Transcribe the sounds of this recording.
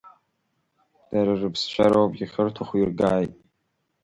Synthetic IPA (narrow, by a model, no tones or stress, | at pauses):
d̥aɾarɨpʰst͡ʃʷʰa̰ɾowapʼɡʲiχʲərtʰaχʷirɡaːjtʼ